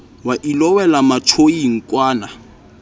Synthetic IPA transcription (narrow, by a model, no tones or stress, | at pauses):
waʔilɔwɛlamatʰoiŋ̩kʼwaːna